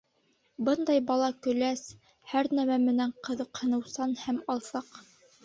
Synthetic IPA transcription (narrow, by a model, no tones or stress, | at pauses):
bɤnd̪ɑjbɑlˠɑkɵ̆læs | hæɾnæmæmɘ̆næɴqɤ̆ðɤ̆qhɤ̆nɤ̆wsɑnhæmɑlˠsɑq